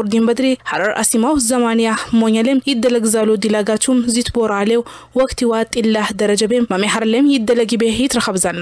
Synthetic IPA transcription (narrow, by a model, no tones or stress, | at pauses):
ʊɾd̪imbəd̪ɾiħaɾaɾa̰simawzɐmanjamoɲːalemjɪd̪ːələɡzalːud̪ilaɡat͡ʃːumzit̪boɾalew | wɔkʼt̪iwat̪ʼːilːahd̪əɾəd͡ʒɐbemmɐmeħaɾlemjɪd̪ːələɡibejɪt̪ɾɐxəβzal